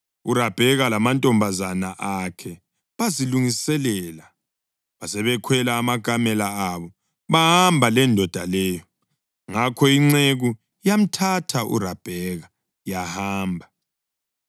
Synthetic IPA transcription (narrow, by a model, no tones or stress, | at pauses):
urab̥ʱɛɣalamantʼɔmbʱazanaʔakʰɛ | βaziluŋisɛlɛla | βasɛβɛkʰwɛlaːmaɡ̥ʱamɛlaaβɔ | βaɦambʱalɛndʱɔd̥ʱalɛːjɔ | ŋakʰɔiŋ͡ǀeɣu | jam̩tʰatʰaʔṵrab̥ʱɛɣa | jahaaːmbʱa